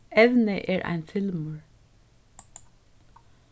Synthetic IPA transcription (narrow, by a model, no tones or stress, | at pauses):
ɛʋnəʔɛːɹʔa̰ɪnfɪlmʉɹ